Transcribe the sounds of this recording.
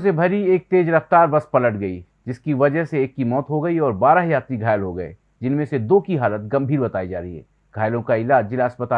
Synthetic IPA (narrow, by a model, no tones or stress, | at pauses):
sebʱɐɾieːk̚t̪eːd͡ʒɾɐft̪aːɾʋɐspɐləʈɡɐḭ | d͡ʒɪskiʋɐd͡ʒəɦseeːkːimɔːt̪ɦoɡɐiɔːɾbaːɾaɦjaːt̪ɾiɡʱaːjəlɦoɡɐḛː | d͡ʒɪnmẽsed̪oːkiɦaːlət̪̚ɡɐ̃mbʱiːɾbɐt̪aːid͡ʒa̰ːɾɐɦḭɦɛ̰ː | ɡ̥ʱaːjlõkaɪlaːd͡ʒd͡ʒɪlaəspət̪aː